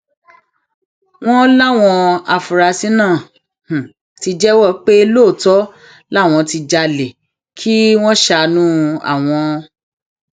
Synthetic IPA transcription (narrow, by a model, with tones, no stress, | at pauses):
w̃ɔ̃˦la˦˨w̃ɔ̃˧a˨fu˨ɾa˨˧si˨˦nãː˦˨ | h̩˨ | ti˧d͡ʒɛ˦wɔ˦˨k͡pe˦lo˦˨tɔ˨˦ | la˦˨w̃ɔ̃˧ti˧d͡ʒa˧le˨ | kʰi˦w̃ɔ̃˦ʃa˧nũ˦a̰˦˨w̃ɔ̃˧